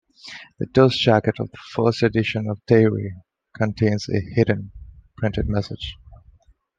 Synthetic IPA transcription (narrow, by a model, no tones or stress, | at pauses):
ð̥ɨdoʊsd͡ʒækɨɾʌvðəfɜ˞stɨdɪʃə̃nʌv̥tʰeɪɹḭ | kʰə̃ntʰẽɪ̃nzɨ̰hɪd̃ⁿn̩pʰɹ̥ɪ̃ntɨd̚mɛsɪd̥d͡ʒ̥